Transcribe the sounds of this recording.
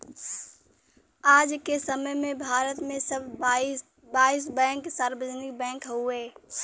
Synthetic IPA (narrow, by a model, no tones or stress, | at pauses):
aːd͡ʒkesəməjmẽbʱaːɾət̪mẽsəbʱ | baːis̬bɛ̃ːŋksaːɾbəd͡ʒnɪk̚bɛ̃ːkɦueː